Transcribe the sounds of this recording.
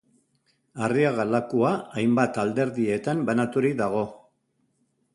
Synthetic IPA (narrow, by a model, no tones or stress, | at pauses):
ariaɣalakuaːjmbat̪ald̪e̞ɾðie̞t̪ambanat̪uɾiðaɣ̞o̞